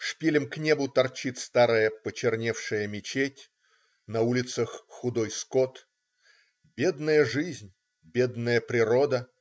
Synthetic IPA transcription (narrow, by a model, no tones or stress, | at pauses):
ʂpʲilʲɪmknʲebʊt̪ɐrt͡ɕit̪ʲst̪aɾəjəpət͡ɕɪrnʲefʂɨjəmʲɪt͡ɕetʲ | nɐulʲɪt̪səxːʊd̪ojskot̪ | bʲed̪nəjəʐɨzʲnʲ | bʲed̪nəjəpɾʲɪɾo̞d̪ə